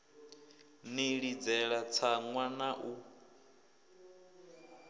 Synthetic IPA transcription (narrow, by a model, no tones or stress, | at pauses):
niɺid͡zɛɺat͡sʰaŋwanaʔu